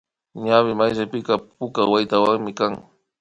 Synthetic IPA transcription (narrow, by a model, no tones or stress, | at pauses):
ɲawɪmajɾapɪkɑpʊkawajt̪awaŋmɪkaŋ